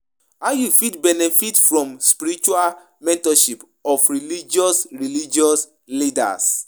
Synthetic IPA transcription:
ajufitbɛnɛfitfɹɔ̃mspiɾit͡ʃua | mɛ̃ntɔʃip | ɔfɹilid͡ʒɔsɹilid͡ʒiɔs | lida̰s

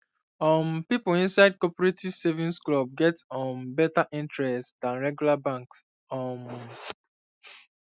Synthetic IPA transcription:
ɔ̃mpipolĩnsaɪd̚kɔpɔɹetiv̥sevĩnsklɔb̚ɡɛtɔ̃mbɛtaʔĩntɹɛstdãnɹɛɡjulabãŋks | ɔm

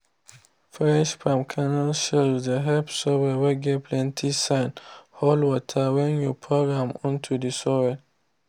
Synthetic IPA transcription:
fɛʃfɹɔ̃mkʰanalʃɛdəɦɛpsɔwɛwɛɡɛpʰlɛ̃ntʰisãɪnhɔlwɔtʰawɛ̃njupʰɹɔɡɹãmɔ̃ntʰudisɔwɛ

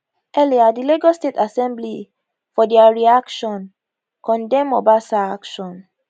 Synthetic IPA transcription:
ɛliadiliɡɔstetasɛ̃mbli | fɔdɛaɹiakʃɔ̃n | kɔ̃ndɛ̃mɔbasaakʃɔ̃n

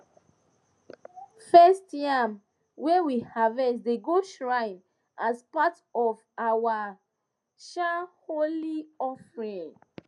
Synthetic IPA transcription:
fɛstjam | wɛwihavɛsdeɡoʃɹãɪ̃n | ʔaspat | ɔv | awa | ʃaholiɔfɹĩŋ

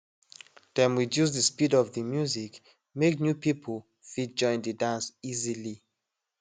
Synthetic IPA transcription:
dɛ̃nwidjuzðəspidɔvðəmjuzik | meknjupipʰəl | fit̚d͡ʒɔ̃ɪ̃ndədãnsizili

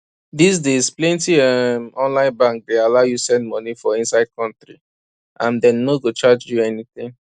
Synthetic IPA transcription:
dis̬dezplẽntiɛmɔ̃nlãɪ̃nbãŋk̚dealaʊjusɛ̃ndmɔnifɔĩnsaɪd̚kʰɔ̃ntɾi | ʔãndɛ̃nːoɡot͡ʃad͡ʒjuɛniθɪ̃ŋ

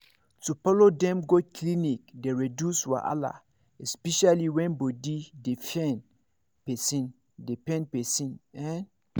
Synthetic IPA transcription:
tufɔlodɛ̃mɡokʰlinikdeɹedjuswa̰ʔa̰la̰ | ɛspɛʃaliwɛ̃nbodidefɛ̃n | pɛsĩn | depɛ̃npɛsĩnɛ̃n

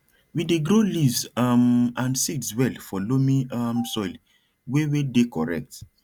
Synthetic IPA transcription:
wideɡɾolivzmãnsitswɛlfɔlomĩamsɔjl | wewedekɔɹɛ̰k̚t

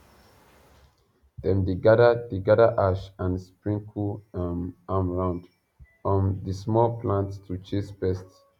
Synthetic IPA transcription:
dɛ̃mdiɡadədiɡadaʔaʃãnspɹĩŋkʰuamamɹãʊ̃nd | ɔ̃ndismɔlplãnttʰut͡ʃisbɛst

